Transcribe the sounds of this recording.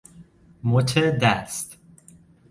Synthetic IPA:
mot̪ʰed̪æst̪

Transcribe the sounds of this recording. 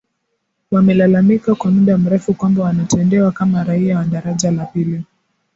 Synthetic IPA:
wamɛlalamikakwamuɗam̩ɾɛfukwambawanatɛndɛwakamaɾaiawaɗaɾaʄalapili

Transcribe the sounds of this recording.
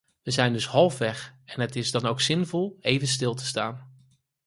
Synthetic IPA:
ʋəzɛjndɵsɦɑlˠfʋɛχɛnɦətɪzdɑnowksɪnvɔlˠejvənstɪlˠtə̥staːn

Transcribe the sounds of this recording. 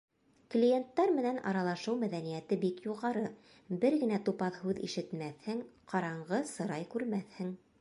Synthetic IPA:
klʲijent̪ːɑɾmɘ̆nænʔɑɾɑlˠɑʃɤwmæðænijæt̪ɘbikjuʁɑɾɤ | bɘɾɡɘ̆næt̪upɑðhʉðḭʃɘ̆t̪mæθhɘŋqɑɾɑɴɢɤsɤ̆ɾɑjkʉɾmæθhɘŋ

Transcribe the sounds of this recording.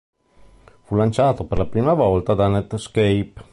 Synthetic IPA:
fulant͡ʃaːt̪operlapɾiːmavɔlt̪ad̪anɛt̪skejp

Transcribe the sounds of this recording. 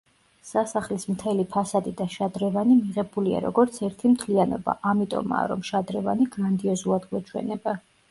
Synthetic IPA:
sasaχlismt̪ʰɛlipʰasad̪id̪aʃad̪ɾɛvanimiʁɛbulia̰ɾɔ̰ɡɔɾt̪sʰɛɾt̪ʰimt̪ʰlianɔ̰ba̰ʔamit̪ʼɔ̰ma̰ɾɔ̰mʃad̪ɾɛva̰niɡɾand̪iɔzulˠad̪ɡwɛt͡ʃʰwɛ̰nɛba

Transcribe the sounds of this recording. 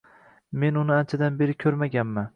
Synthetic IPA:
me̞nʊnɪant͡ʃʰad̪anbe̞ɾɪkʲʰɵɾmaɡʲanman

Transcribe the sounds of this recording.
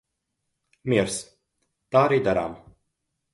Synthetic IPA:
mʲiɛɾs | t̪aːaɾiːd̪aɾa̰ːm

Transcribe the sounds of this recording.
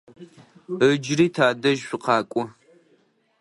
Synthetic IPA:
əd͡ʒriːtʰaːdɐʒɕʊqɑːkʷʼʊ

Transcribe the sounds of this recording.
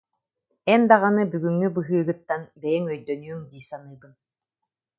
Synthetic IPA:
ɛnd̪aʁanɯbyɡyŋːybɯɦɯːɡɯt̪ːanbɛjɛŋœjd̪œnyːŋd̪iːsanɯːbɯn

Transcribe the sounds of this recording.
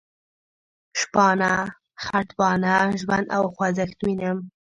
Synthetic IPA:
ʃpɑna | xaʈbɑnaʒwand̪a̰wxwazakt̪winəm

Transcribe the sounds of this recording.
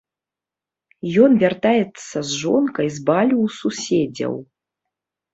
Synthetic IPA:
jɔnvʲart̪ajɛt̪sːɐzʐɔnkɐjzbalʲuwsusʲed͡zʲɐ̰w

